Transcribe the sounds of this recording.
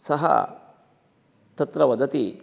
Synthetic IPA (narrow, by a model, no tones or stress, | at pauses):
sɐɦɐ̰ | t̪ɐt̪ɾɐʋɐd̪ɐt̪i